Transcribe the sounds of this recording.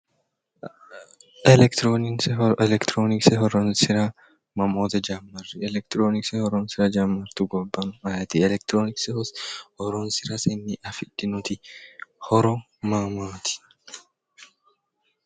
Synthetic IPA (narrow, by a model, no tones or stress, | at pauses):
ɛlɛkt̪ɾoːnɪsɛlɛkt̪ɾoːnɪksɛɦɔɾɔnsɪɾɐ | mɐmoːt̪ɐd͡ʒamːɐrːɪɛlɛk̚t̪ɾoːnɪksɛhɔɾɔnsɪɾɐd͡ʒɐmːɐɾt̪uɡɔbːɐnʊmɐjɐt̪ɪɛlɛk̚t̪ɾoːnɪkshɔɾɔnsɪɾɐsɛnːɪʔɐfɪd̪̥ːɪnʊt̪ɪhɔɾɔ | maːmaːt̪ɪ̥